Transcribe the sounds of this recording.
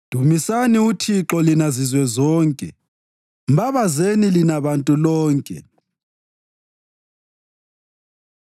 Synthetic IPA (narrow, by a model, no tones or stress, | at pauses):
d̥ʱumisaniutʰiǁɔlinazizwɛzɔːŋkʼɛ̰ | m̩baβazenilinaβantʼulɔːŋkʼɛ̰